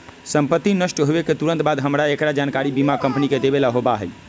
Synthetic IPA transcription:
səmpət̪ːinəʃʈɦoeket̪uɾənt̪bad̪ɦəmɾaekɾad͡ʒankaɾibimakəmpniked̪ebelaɦobaɦɛj

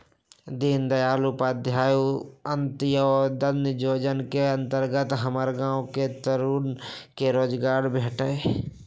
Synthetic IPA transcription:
d̪iːnd̪əjaːlupaːd̪ʱjaːjuənt̪ɪjəɔːɾd̪ənd͡ʒoːd͡ʒənkeə̃nt̪əɾɡət̪ɦəməɾɡãːwket̪əɾuːnkeɾoːd͡ʒɡaːɾbʱeːʈəe

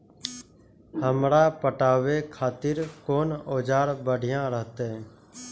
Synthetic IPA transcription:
həmɾaːpəʈaːʋeːkʰaːt̪ɪɾkoːnoːd͡ʒaːɾbəɖʱɪjãːɾəɦt̪eː

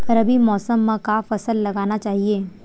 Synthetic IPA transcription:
ɐɾɐbʱimɔːsəmːãkafɐsəlːɐɡaːnat͡ʃaːɦieː

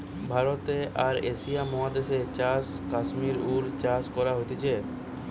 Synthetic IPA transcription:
bʱaɾot̪eʔaɾeʃijamɔɦad̪eʃet͡ɕas | kaʃmiɾuɾt͡ɕaskɔɾaɦot̪it͡ɕʰe

